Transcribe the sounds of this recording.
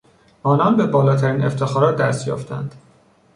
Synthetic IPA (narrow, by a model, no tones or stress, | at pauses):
ɒːnɒnbe̞bɒːlɒːt̪ʰæɾiːneft̪ʰe̞xɒːɾɒːt̪̚d̪æst̪jɒ̰ːft̪ʰæ̰nd̪̥